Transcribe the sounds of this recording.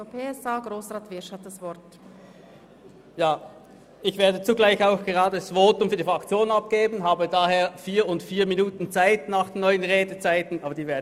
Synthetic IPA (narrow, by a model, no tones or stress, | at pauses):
opʰeɛsaːɡʁoːsʁaːtv̥ɪɐʃhat̚d̥asv̥ɔɐt | jaː | ɪçv̥eːɐdət͡suɡlaɪçaʊxɡ̥əʁaːdəasv̥oːtʊmfyːɐdifʁakt͡sjoːnnap̚ɡ̥eːbn̩ɦaːbədaːheːɐfiːɐʊntfiːɐminuːtn̩t͡saɪtnaːχd̥enːɔʏənʁeːdət͡saɪtn̩ʔaːbɐd̥iːveːɐd